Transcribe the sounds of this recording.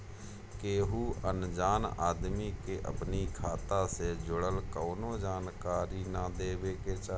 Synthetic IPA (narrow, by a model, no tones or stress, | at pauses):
keːɦuːənd͡ʒaːnaːd̪miːkeːʔə̰pniːkʰaːt̪ãːseːd͡ʒʊɽəlkəːnõːd͡ʒaːnkaːɾiːnãːd̪eːʋeːkeːt͡ʃa